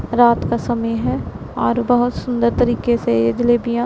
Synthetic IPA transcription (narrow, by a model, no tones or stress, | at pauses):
ɾaːt̪kasɐməjɦɛ | ɔːɾbɐɦʊt̪sʊ̃nd̪əɾt̪ɐɾiːkeseed͡ʒɪleːbijã